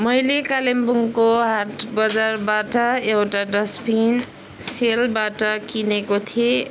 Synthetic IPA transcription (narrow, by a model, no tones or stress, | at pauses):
mʌjlekalembuŋkoɦaʈbʌd͡zarbaʈʌewʈaɖʌspʰin | selbaʈʌkinekot̪ʰie